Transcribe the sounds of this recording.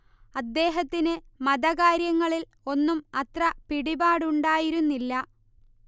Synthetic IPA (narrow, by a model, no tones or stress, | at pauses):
ɐd̪ːe̞ːɦɐt̪ːinɨmɐd̪ɐɣaːɾjɐŋːɐɭil | o̞nːumɐt̪rɐpiɽibaːɽuɳɖaːjiɾunːilːɐ